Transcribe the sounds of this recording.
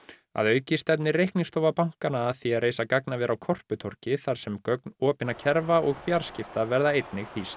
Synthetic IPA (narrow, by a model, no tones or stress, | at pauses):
a̰ðœːɥcɪst̪ɛt̪̬nɪrejhkniŋst̪owvapawŋ̥kanaːθiaðreːjsakaknavɛɾʔawkʰɔr̥pʏt̪ʰɔr̥cɪθaɾ̥sɛmkœknɔːpɪnacʰɛɾvaʔɔɣfjaɾ̥scɪft̪avɛɾðaejt̪nɪɣhist̪